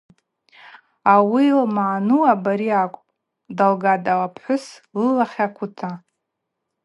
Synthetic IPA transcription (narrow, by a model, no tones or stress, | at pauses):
awilmaːnuabaɾiakʷʼpʼ | dalɡadalapʰħʷʊslɨlaχʲakʷʰʊtʰa